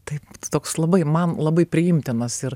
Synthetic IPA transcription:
t̪ɐɪpt̪oːkslˠɐbɐɪmɐnlˠɐbɐɪpʲɾʲɪjɪmʲt̪ʲɪnɐsɪɾ

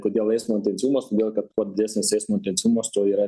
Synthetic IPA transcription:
koːd̪ʲiɛlˠɛɪsmoːɪnʲt̪ʲɛnʲsʲiumoːskoːd̪ʲiɛlˠkɐt̪̚kuɔt̪d̪ʲɪd̪ʲɛsʲmʲsɛɪsmoɪnʲt̪ʲent̪sʲiumost̪oiːɾɐ

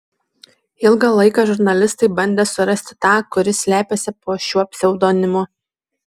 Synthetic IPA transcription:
ɪlˠɡɑlˠɐɪkɑːʒʊɾnɐlʲɪst̪ɐɪbɐnʲd̪ʲeːsʊɾɐsʲt̪ʲɪ̥t̪ɑːkʊɾʲɪsʲlʲæːpʲeːsʲɪpoːʃʲuːɐpʲsʲɛʊd̪oːnʲɪmʊ

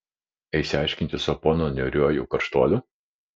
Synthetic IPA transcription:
ɐɪsʲɪɑˑɪʃʲkʲɪnʲt̪ʲɪsɐpɔnonʲɛɾʲuɔjṵːˑkɐɾʃt̪uɔlʲʊ

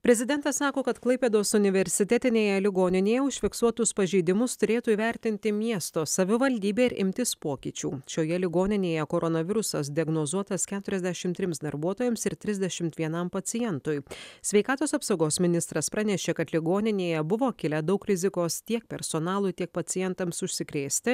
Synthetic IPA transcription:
pʲɾʲɛzʲɪd̪ʲɛnt̪ɐsːɑːkoːkɐt̪klˠɐɪpʲeːd̪oːsʊnʲɪʋʲɛɾʲsʲɪt̪ʲɛt̪ʲɪnʲeːjɛlʲɪɡoːnʲɪnʲeːjɛʊʃʲfʲɪksuɔt̪ʊspɐʒʲɛɪd̪ʲɪmʊst̪ʊɾʲeːt̪uːiːʋʲæɾʲt̪ʲɪnʲt̪ʲɪmʲiɛst̪oːsɐʋʲɪʋɐlʲd̪ʲiːbʲeːɪɾʔɪ̰mʲt̪ʲɪspoːkʲiːt͡ʃʲṵːʃʲoːjɛlʲɪɡoːnʲɪnʲeːjɛkoːɾʔɔnɐʋʲɪɾʊsɐs̬d̪ʲɪɐɡnoːzuɔt̪ɐskʲæːt̪ʊɾʲɛzʲd̪ʲɛʃʲɪmt̪ʲɾʲɪmsd̪ɐɾbuɔt̪oːjɛmsɪɾt̪ʲɾʲɪzʲd̪ʲɛʃʲɪmt̪ʋʲiɛnɐmpɐt̪t͡ssʲɪjɛnt̪ʊjsʲʋʲɛɪkɑːt̪oːsɐpsɐʊɡoːsmʲɪnʲɪst̪ɾɐspɾɑnʲɛʃʲeːkɐt̪lʲɪɡoːnʲɪnʲeːjɛbʊʋoːkʲɪlʲɛd̪ɐʊkɾʲɪzʲɪkoːst̪ʲiɛk̚pʲɛɾsonɑːlˠʊːt̪ʲiɛk̚pɐsʲɪjɛnt̪ɐmsʊʃʲsʲɪkɾʲeːsʲt̪ʲɪ

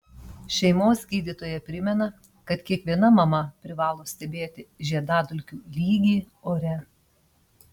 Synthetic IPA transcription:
ʃʲɛɪmoːsɡʲiːd̪ʲiːt̪oːjɛpʲɾʲɪmʲɛnɐ | kɐt̪kʲiɛkʋʲiɛnɐmɐmɐpʲɾʲɪʋɑːlˠoːsʲt̪ʲɛbʲeːt̪ʲɪʒʲiɛd̪ɑːd̪ʊlʲkʲuːlʲiːɡʲiː | oːɾʲɛ

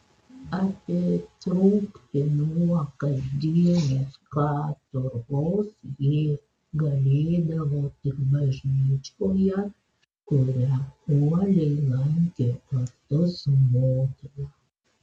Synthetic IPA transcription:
ɐpʲit̪ɾʊʊkt̪ʲɪnuɔkɐzd̪ʲiɛnoskɑːt̪ʊɾoːsjiː | ɡɐlʲeːd̪ɐʋoːt̪ɪkbɐʒʲnʲiːt͡ʃʲoːjɛ | kʊɾʲæuɔlʲɛɪlˠɐŋʲkʲeːɐt̪ʊsmoːt̪ʲilɐ

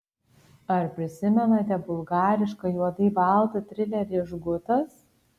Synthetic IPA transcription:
ɐɾpʲɾʲɪsʲɪmʲɛnɐt̪ʲɛbʊlˠɡɑːɾʲɪʃkɐjuɔd̪ɐɪbɑˑlˠt̪ɐt̪ʲɾʲɪlʲɛɾʲiːʒɡʊt̪ɐs

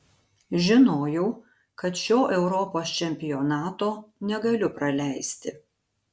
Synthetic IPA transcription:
ʒʲɪnoːjɛʊ | kɐt̪ʃʲoːʔɛʊɾɔpoːst͡ʃʲɛmʲpʲɪjɔːnɑːt̪oːnʲɛɡɐlʲʊpɾɐlʲæˑɪsʲt̪ʲɪ

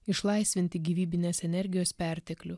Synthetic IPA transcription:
ɪʃlˠɐɪsʲʋʲɪnʲt̪ʲɪɡʲiːʋʲiːbʲɪnʲeːsɛnʲɛɾʲɡʲɪjoːspʲɛˑɾʲt̪ʲɛklʲʊ

